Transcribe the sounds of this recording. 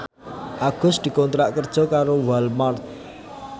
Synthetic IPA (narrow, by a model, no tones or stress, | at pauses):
ʔaɡ̥ʊ̤sd̪̥i̤kɔnt̪ɾaʔkərd̥ʒ̥ɔ̤kaɾowalmart̪̚